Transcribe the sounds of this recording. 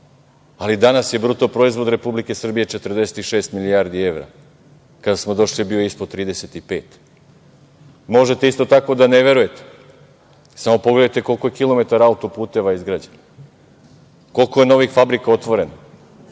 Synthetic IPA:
alid̪anasje̞bɾut̪opɾo̞izʋo̞d̪ɾe̞publike̞sr̩bije̞t͡ʃe̞t̪r̩d̪e̞se̞̥t̪iʃe̞ːst̪miliaɾd̪ie̞ʋɾa̰ | kad̪asmo̞d̪o̞ʃlibioispod̪̚t̪ɾiːd̪ese̞t̪ipe̞ːt̪ | mo̞ʒe̞t̪e̞ist̪o̞t̪ako̞d̪ane̞ʋe̞ɾuje̞t̪e̥ | samo̞po̞ɡle̞d̪ajt̪e̞ko̞lko̞jekilˠo̞me̞t̪aɾaut̪o̞puːt̪e̞ʋaizɡɾad͡ʑen | ko̞lkoje̞no̞ʋixfabɾikao̞t̪ʋo̞ɾe̞na

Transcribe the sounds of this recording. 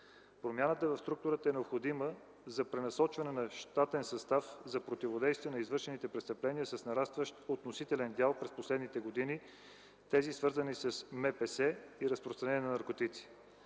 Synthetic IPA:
pɾomʲjanət̪əvɐfst̪ɾuk̚t̪ʊɾət̪əɛnɛopxod̪imə | zɐpɾɛnɐsɔt͡ʃvɐnɛnɐʃt̪at̪ɛnsɐst̪afzɐpɾot̪ivod̪ɛjst̪viɛnɐizvɤɾʃɛnit̪ɛpɾɛst̪əplɛniəsɐsnɐɾast̪vəʃt̪ot̪nosit̪ɛlɛnd̪ʲjalˠpɾɛsposlɛd̪nit̪ɛɡod̪ini | t̪ɛzisvɤɾzənisɐsmɛpɛsɛiɾəspɾost̪ɾɐnɛnjɛnɐnɐɾkot̪it̪si̥

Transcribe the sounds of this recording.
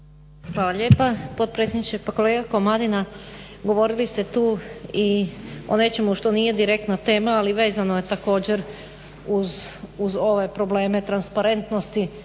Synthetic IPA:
xʋaːlˠaʎe̞ːpapod̪̚pɾet̪sʲjed̪nit͡ʃepako̞le̞ːɡako̞mad̪inaɡo̞ʋo̞ɾilist̪et̪uːio̞ne̞t͡ʃe̞muʃt̪o̞nije̞d̪iɾe̞k̚t̪nat̪e̞ːmaːliʋe̞ːzanoje̞t̪ako̞ːd͡ʑeɾ | uzuzo̞ʋe̞pɾo̞ble̞ːme̞t̪ɾanspaɾe̞nt̪no̞st̪i

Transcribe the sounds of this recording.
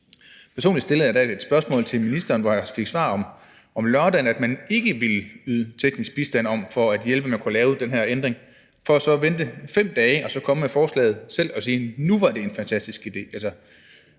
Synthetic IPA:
pʰæɐso̝ːnli̥d̥sd̥e̝ləð̩jd̥æe̝d̥sb̥ɶɐsmɔ̰̽ːlt͡sʰe̝lminisd̥ɐːnʋɒjɑ̈fe̝ɡ̥sʋɑ̰̈ːɒ̽m | ʔɒ̽mlɶɐd̥ænæd̥mæne̝ɡ̥əʋiləyːðˠt͡sʰeɡ̥nisɡ̥̚b̥isd̥æn̰ɒ̽mfɒ̽æd̥jelb̥əmænkʰulɛːʊd̥enɦæɐ̰end̥ʁeŋ | fɒ̽æsɒ̽ʋend̥əfem̰d̥ɛːɪəɒ̽sɒ̽kʰɒ̽məmefɒːslɛ̰ːð̩ˠsel̰ɒ̽siːnuʋɑ̈d̥e̝enfænt͡sʰæsd̥isɡ̥id̥e̝̰ːælsɐ

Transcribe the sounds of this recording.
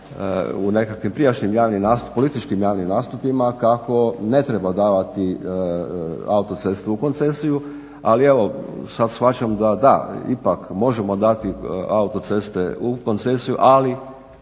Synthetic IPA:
ṵne̞kakʋimpɾijat͡ʃɲimjaːʋnimnaːspolit̪it͡ʃkimjaːʋnimnaːst̪upimakako̞ne̞t̪ɾe̞bad̪aːʋat̪i | aut̪o̞t̪se̞st̪uuko̞nt̪se̞siju | a̰lieʋo̞sad̪sxʋat͡ʃamd̪ad̪a̰ipakmo̞ʒemo̞d̪at̪iaut̪o̞t̪se̞st̪ḛuko̞nt̪se̞sijṵʔali

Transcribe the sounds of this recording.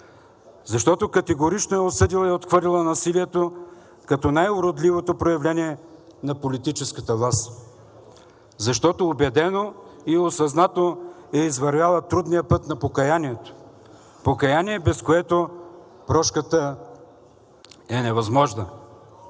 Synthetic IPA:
zɐʃt̪ɔt̪okɐt̪ɛɡoɾit͡ʃnoɛosɤd̪ilˠɐɛot̪xvəɾlʲilˠənɐsiliɛt̪o | kɐt̪ɔnajʊɾod̪livot̪opɾojɐvlʲɛniɛ | nɐpolit̪it͡ʃɛskət̪əvlˠast̪ | zɐʃt̪ɔt̪oːbɛd̪ɛnoiosɐznat̪oɛizvɐɾvʲjalˠət̪ɾud̪nijəpɤt̪nɐpokɐjaniɛt̪o̥ | pokɐjaniɛbɛskoɛt̪o | pɾɔʃkət̪ə | ɛnɛvɐzmɔʒnə

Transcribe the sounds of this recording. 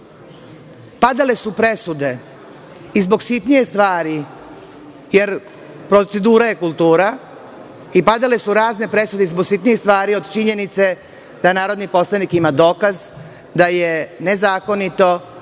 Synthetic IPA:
pad̪ale̞supɾe̞sud̪e̞ | izbo̞ɡsit̪nije̞st̪ʋaːɾi | je̞ɾ | pɾot̪se̞d̪uːɾaje̞kulˠt̪uːɾa | ipad̪ale̞suɾaːzne̞pɾe̞sud̪eizbo̞ɡsit̪nijest̪ʋaːɾio̞d̪t͡ʃiɲe̞nit̪se̞ | d̪̥anaːɾo̞d̪nipo̞slanikimad̪o̞ːkaz | d̪ajene̞zaːko̞nit̪o̞

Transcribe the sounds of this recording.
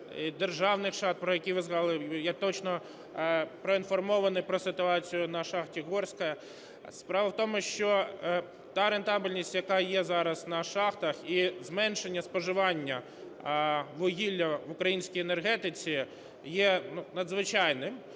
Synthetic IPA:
id̪erʒɑwnɪxʃɑt̪̚pɾɔjɐkʲijʋɪzɦɐlˠjɛt̪ɔt͡ʃnɔ | pɾɔinfɔrmɔʋɐnɪjpɾɔsɪt̪ʊɑt͡sʲijʊnɐʃɑxtʲiɦɔrsʲkɐ | spɾɑʋɐwt̪ɔmʊʃt͡ʃɔ | t̪ɑɾent̪ɑbʲilʲnʲisʲtʲjɐkɑjɛzɑɾɐsnɐʃɑxt̪ɐxizmɛnʃenʲːɐspɔʒɪʋɑnʲːɐ | ʋʊɦʲilʲːɐʋʊkɾɐjinʲsʲkijenerɦɛt̪ɪt͡sʲi | jɛnunɐd̪zʋɪt͡ʃɑjnɪm

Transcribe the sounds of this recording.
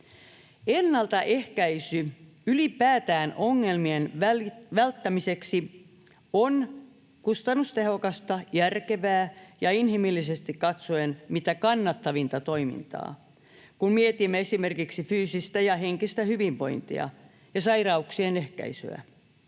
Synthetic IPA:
enːɑlt̪ɑʔehkæisy | ylipæːt̪æːnʔoŋːelmienʋæʋælt̪ːæmiseksi | on | kust̪ɑnːust̪ehokɑst̪ɑjærkeʋæːjɑinhimilːisest̪ikkɑt̪soenmit̪ækɑnːɑt̪ːɑʋint̪ɑt̪oimḭnt̪ɑ̰ː | kunmiet̪imːeesimerkiksifyːsist̪æjɑɦeŋkist̪æhyʋiʋʋo̞̰int̪ḭɑ̰ | jɑsɑirɑuksienehkæ̰isy̰æ̰

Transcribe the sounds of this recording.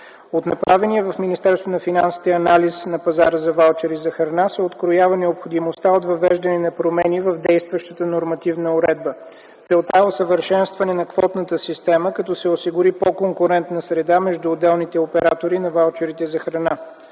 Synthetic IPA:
ot̪nɐpɾʔavɛniɛvɐfminist̪ɛɾst̪vonɐfinansi̥t̪ɛɐnalisnɐpɐzaɾəzɐvalˠt͡ʃɛɾizɐxɾɐnasɛot̪kɾojavənɛopxod̪imost̪aot̪vɐvɛʒd̪ɐnɛnɐpɾomɛnivəvd̪ɛjst̪vəʃt̪ət̪ənoɾmɐt̪ivnəʊɾɛd̪̚bə | t̪sɛlˠt̪aosəvəɾʃɛnst̪vɐnɛnɐkvɔt̪nət̪əsist̪ɛməkɐt̪ɔsɛosiɡʊɾipokoŋkʊɾɛnt̪nəsɾɛd̪amɛʒd̪uːd̪ɛlˠnit̪ɛopɛɾat̪oɾinɐvalˠt͡ʃɛɾit̪ɛzɐxɾɐna

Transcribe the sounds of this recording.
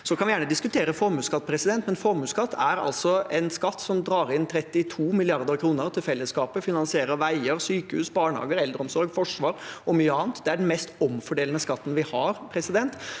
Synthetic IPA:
sɔkʰɑnʋɪjæːɳəd̪ɪskʉt̪ʰeːɾəfɔɾmʉːskɑt̪̚ːpʰɾɛsɪd̪ɛnt̪mɛnfɔɾmʉːskɑt̪ːæɾɑ̰lt̪sɔɛnskɑt̪ːsɔmd̪ɾɑːɾɪnt̪ʰɾɛt̪ːɪt̪ʰuːmɪlɪɑɾd̪əɾkʰɾuːnəɾt̪ʰɪlfɛlːəskɑːpəfɪnɑnsɪeːɾəʋæɪəɾsyːkəhʉːsbɑːɳhɑ̰ːɡəɾɛld̪ɾəɔmsɔɾɡfɔʂʋɑːɾɔmyːəɑːnt̪d̪ɛæɖɛn̩mɛst̪ɔmfɔɖeːlnəskɑt̪ːn̩ʋɪhɑɾpʰɾɛsɪd̪ɛnt̪

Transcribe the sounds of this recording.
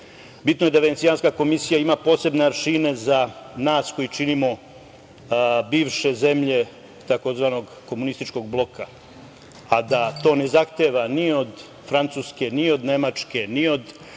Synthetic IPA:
bit̪noje̞d̪aʋenet̪sijanskako̞misijaimapo̞ːse̞bneaɾʃine̞zanaːsko̞jit͡ʃinimo̞ | biːʋʃe̞ze̞mʎe̞ | t̪ako̞zʋaːno̞ɡ | ko̞munist̪it͡ʃko̞ɡ̚blˠo̞ka | ad̪at̪o̞ːne̞zaxt̪eʋanio̞d̪ | fɾant̪suːske̞nio̞d̪ne̞mat͡ʂke̞nio̞d̪

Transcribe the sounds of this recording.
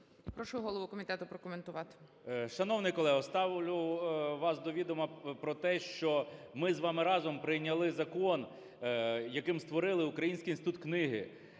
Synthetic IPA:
pɾɔʃʊɦɔlˠɔʋukɔmʲit̪ɛt̪ʊpɾɔkɔment̪ʊʋɑt̪ɪ̥ | ʃɐnɔwnɪjkɔlˠɛɦʊst̪ɑʋlʲʊʋɑsd̪ɔʋʲid̪ɔmɐpɾɔt̪ɛʃt͡ʃɔmɪzʋɑmɪɾɑzɔmpɾɪjnʲɐlˠɪzɐkɔn | jɐkɪmst̪ʋɔɾɪlˠɪʊkɾɐjinʲsʲkʲinsɪt̪ut̪knɪɦɪ̰

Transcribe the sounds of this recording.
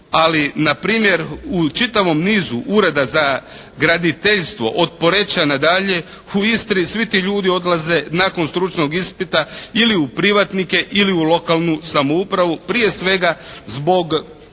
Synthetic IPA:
alinapɾiːmje̞ɾut͡ʃit̪aʋo̞mniːzuʔuɾe̞d̪azaɡɾad̪it̪eʎst̪ʋo̞̰ʔot̪̚po̞ɾe̞t͡ʃanad̪aʎe̞ | uist̪ɾisʋit̪iːʎuːd̪io̞d̪lˠaze̞nako̞nst̪ɾut͡ʃno̞ɡispit̪ailiupɾiʋat̪nike̞ʔiliulo̞kalˠnusamoupɾaʋupɾije̞sʋe̞ɡazbo̞ɡ

